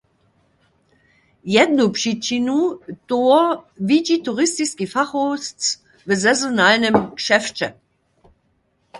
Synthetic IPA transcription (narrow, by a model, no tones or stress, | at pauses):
jɛdnupʂit͡ʃinutoɐviɟituʁɪstiskifaxost͡s | vəzɛzonalnɛmkʃɛft͡ʃɛ